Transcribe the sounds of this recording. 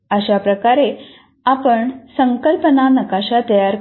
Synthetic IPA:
əɕapɾəkaɾe | apəɳsəŋkəlpənanəkaɕat̪əjaɾ

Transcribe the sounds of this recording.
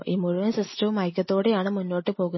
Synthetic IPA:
ʔiːmuɻuʋɐnsisʈɐʋumɐjkʲːɐt̪ːo̞ːɽejaːɳɨmunːo̞ːʈːɨpo̞ːɣun

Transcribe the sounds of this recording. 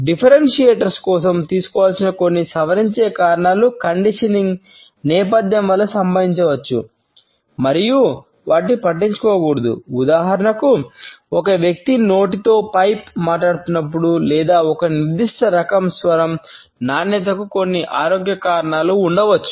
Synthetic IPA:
ɖipʰɐɾenʂieːʈɐɾskɔːsɐmt̪iːsu̥kɔʋaːlsinɐko̞nːisɐʋɐɾiɲt͡ʃeːkaːɾɐɳaːlukɐɳɖiʂɐniŋɡ | nɛːpɐd̪jɐmʋɐlːɐsɐmbɐʋiɲt͡ʃɐʋɐt͡ʃːṵ | mɐɾiju | ʋaːʈ̬ipɐʈːiɲt͡ʃu̥kɔːɡuːɽɐd̪ṵud̪aːɦɐɾɐɳɐkuɔkɐʋjɐk̚t̪ino̞ːʈit̪o̞ːpɐjpmaːʈ̬aːɽut̪unːɐp̬ːuɽulɛːd̪aːɔkɐniɾd̪iʂʈɐɾɐkɐmsʋɐɾɐm | naːnːɛt̪̬ɐkuko̞nːiʔaːɾoːɡjɐkaːɾɐɳaːluːɳɖɐʋɐt͡ʃːu̥

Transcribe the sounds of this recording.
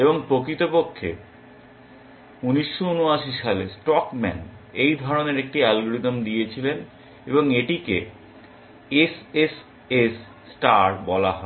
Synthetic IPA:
eboŋpɾokɾit̪opokʰːḛ | uniʃːounuaʃiʃalesʈɔkmɛ̰n | ejd̪ʱɔɾoneɾek̚ʈialɡoɾit̪omd̪ijet͡ɕʰilen | eboŋeʈike | eses | esː | ʈaɾbɔlaɦɔe

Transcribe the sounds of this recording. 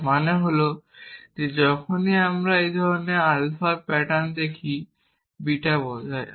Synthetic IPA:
maneɦolod͡ʑed͡ʑɔkʰoniamɾaejd̪ʱɔɾonealfapɛʈand̪ekʰi | biʈabod͡ʑae

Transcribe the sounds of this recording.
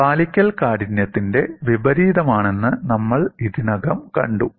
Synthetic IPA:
paːlikʲːɐlkaːɽinjɐt̪ːinde̞ʋibɐɾiːðɐmaːɳe̞nːɨnɐmːɐɭiðinɐɡɐmkɐ̰ɳɖu

